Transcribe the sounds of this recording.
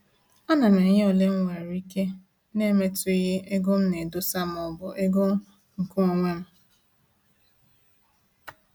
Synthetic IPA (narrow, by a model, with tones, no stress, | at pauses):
ɔ˦na˨na˨˦ɲe˦ɔ˨le˦ŋ̩˦wʷa˨ɾi˦ke˦ | ne˦me˦tʊ˦i˦ɣe˦ʔe˦ɡo˦m̩˦ne˨dʊ˦sa˦m˨ɔ˨bʊ˨ʔe˦ɡo˦m̩˦ | ŋ̩˨ku˦ɔ˨ŋʷa˦m̩˦